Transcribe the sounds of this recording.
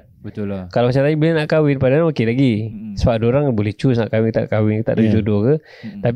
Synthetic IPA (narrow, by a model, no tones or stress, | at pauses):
bət̪ukalamat͡ʃataibilɛnaʔkawɪnpadanaakɪlaɡisəbadoɾaŋbolɛht͡ʃusna̰ʔkawɪt̪a̰ʔkawɪnkət̪a̰ʔdd͡ʒudokə | t̪ap